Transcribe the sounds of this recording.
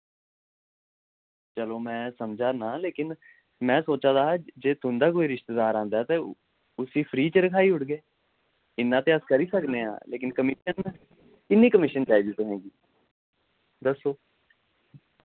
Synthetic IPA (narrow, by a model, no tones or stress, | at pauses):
t͡ʃəloːmɛ̃ːsəmd͡ʒaːnaːleːkɪn | mɛ̃ːsoːt͡ʃãːd̪aːd͡ʒeːt̪ʊnd̪aːk̬oːiːɾɪʃt̪eːd̪aːɾãːnd̪aːɛːt̪eː | ʊsiːpʰɾiːt͡ʃəɾəkʰaːiːʊʈɡeː | ɪnːãːt̪eːəskəɾiːsəknẽːã̰ːleːkɪnkəmɪʃən | ɪnːĩːkəmɪʃənt͡ʃaːiːd͡ʒiːt̪ʊɦɛ̃ːɡiː | d̪əsoː